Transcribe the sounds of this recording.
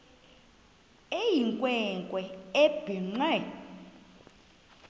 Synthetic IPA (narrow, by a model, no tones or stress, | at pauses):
ejiŋkʼwɛŋkʼwɛeb̥iŋ͡ǀɛ